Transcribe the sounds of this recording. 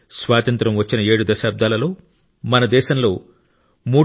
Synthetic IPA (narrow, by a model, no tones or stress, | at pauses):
sʋaːt̪ɐnt̪ɾɐmʋɐt͡ʃːinɐe̞ːɽud̪ɐʃaːb̚d̪ʱaːlɐlo̞ː | mɐnɐd̪ɛːʃɐmlo̞ː | muː